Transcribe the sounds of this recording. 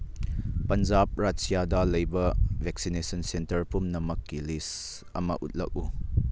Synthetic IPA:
pɐnd͡ʒap̚ɾasijad̪alɐjbɐvʱɛk̚sinesɔnsentɐɾpumnɐmɐkːilis | ɐmɐ̰ʔṵt̪̚lɐ̰k̚u

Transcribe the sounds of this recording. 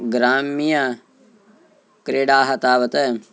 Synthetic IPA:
ɡɾaːmija | kɾeːɽaːɦɐt̪aːʋɐt̪ə

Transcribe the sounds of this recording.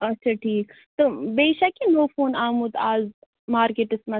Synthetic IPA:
ɐtːʃʰɐʈʰiːk | t̪obeːʃɐkinoːfoːnaːmut̪aːz | maːɾkeʈɪsmɐ

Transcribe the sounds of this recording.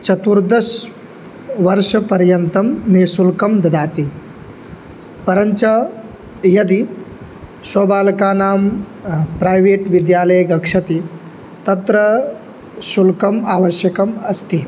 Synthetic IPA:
t͡ʃɐt̪uɾd̪ɐs | ʋɐɾʂɐpɐɾjɐnt̪ɐmneːsulkɐmd̪ɐd̪aːt̪iː | pɐɾənt͡ʃɐ | jɐd̪iː | sʋɐbaːlkaːnaːm | pɾajʋeːʈʋid̪jaːləjɡɐkʂɐt̪iː | t̪ɐt̪ɾə | sulkɐmaːʋəɕjɐkɐmɐst̪iː

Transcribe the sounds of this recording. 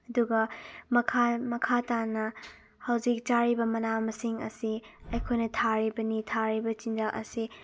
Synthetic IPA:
ɐduɡɐmɐkʰamɐkʰatanɐ | hɐwd͡ʒik̚t͡ʃaɾibɐmɐnamɐsiŋɐ̰siɐjkʰojnɐtʰaɾibɐnitʰaɾibɐt͡ʃind͡ʒalʔɐ̰si

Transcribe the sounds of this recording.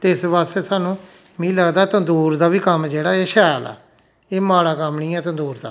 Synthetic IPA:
t̪eɪsbaːst̪eːsaːnũː | mĩːləɡd̪aːt̪ə̃nd̪uːɾd̪aːbiːkəmd͡ʒeːɽaːeːʃɛːla̰ː | eːmaːɽaːkəmnĩːɛːt̪ə̃nd̪uːɾd̪a̰ː

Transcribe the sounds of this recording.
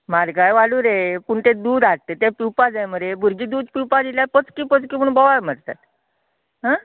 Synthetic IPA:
maɾɡajʋaluːɾepuɳt̪ed̪uːd̪aɽ̚t̪et̪epiwpad͡zajməɾebʱuɾɡiːd̪uːd̪piwpad͡ziljapət͡skiːpət͡skiːpuɳbɔʋam̤əɾt̪a̰t̪̚ | ɦa

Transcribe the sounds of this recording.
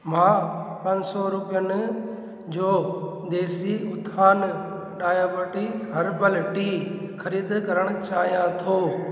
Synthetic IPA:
mãːpɐ̃ɲsɔɾʊpijənɪ̆ | d͡ʑoː | d̪eːsiʊt̪ʰaːn | ɖaːjaːbəʈiɦɐɾpɐlʈixʰɐɾiːd̪kɐɾəɽ̃ʊt͡ɕaːɦijãt̪ʰoː

